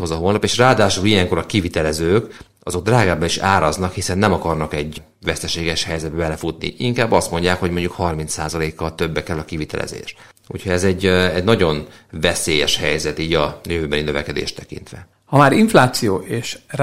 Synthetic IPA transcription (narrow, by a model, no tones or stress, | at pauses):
hozɒɦoːlnɒpeːʃraːd̪aːʃulijɛŋko̞ɾɒkivit̪ɛlɛzøːk | ɒzo̞ɡ̚d̪raːɡaːbɛiʃa̰ːɾɒznɒkhisɛnːɛmɒkɒrnɒkɛɟ | vɛst̪ɛʃeːɡɛʃhɛjzɛd̪bɛbɛlɛfut̪nḭʔiŋkaːbːɒst̪mo̞ɲɟaːkho̞ɟmo̞ɲɟukhɒrmint̪saːzɒleːkːɒlt̪ø̞bːɛkɛlːɒkivit̪ɛ̰lʔɛ̰zḛːʃ | ṵchoɟɛzɛɟːɛɟnɒɟo̞nvɛseːjɛʃhɛjzɛt̪iːɟɒjøvøːbɛninøvɛkɛd̪ḛːʃt̪ɛkḭnt̪ʋɛ̰ | hɒmaːɾiɱflaːt̪sijoːʔeːʃr